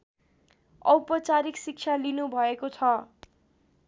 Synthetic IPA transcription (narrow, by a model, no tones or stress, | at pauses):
ʌwpʌt͡saɾiksik̚t͡sʰalinubʱʌekot͡sʰʌ